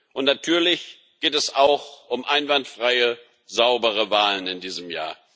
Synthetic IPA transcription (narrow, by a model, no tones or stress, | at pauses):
ʔʊntnatʰyːɐlɪç | ɡ̥eːtɛsaʊxʔʊmʔaɪnvantfʁ̥aɪə | zaʊbəʁ̞əvaːlənɪndiːzəmja̰ːɐ